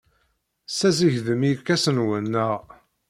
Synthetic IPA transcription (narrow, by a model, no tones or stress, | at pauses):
sæziʝðəmikːæsənwənːəʁ